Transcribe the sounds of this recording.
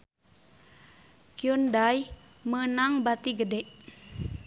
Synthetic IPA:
kiondaj | mənaŋbat̪iɡədɛʔ

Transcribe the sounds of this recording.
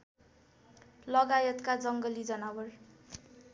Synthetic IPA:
lʌɡajʌt̪kad͡zʌŋɡʌlid͡zʌnabʌr

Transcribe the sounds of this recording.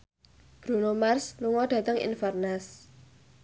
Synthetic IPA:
b̥ɾunomarsluŋɔɖ̥ä̤t̪əŋḭnfarnas

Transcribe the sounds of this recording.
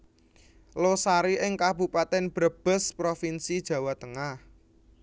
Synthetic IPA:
losaɾiʔɪŋkab̥upat̪ɛnb̥ɾəb̥ə̤spɾofinsid̥ʒ̥ä̤wat̪əŋah

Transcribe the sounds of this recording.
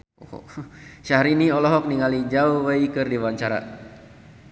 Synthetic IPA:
o̰ʃahɾiniɔlɔɦɔk̚niŋalid͡ʒauwəikɨrdiwaɲt͡ʃaɾa̰

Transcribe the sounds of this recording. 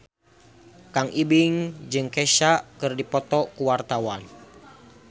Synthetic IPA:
kaŋibiŋd͡ʒɨŋkɛʃaʔkɨrdipɔt̪ɔkuwart̪awan

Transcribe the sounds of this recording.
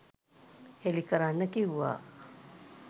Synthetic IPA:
helikəɾanːəkiɦua̰

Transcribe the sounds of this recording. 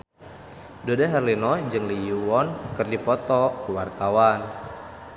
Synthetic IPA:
dodaɦɛrlinɔd͡ʒɨŋlijuwɔnkɨrdipɔt̪ɔkuwart̪awan

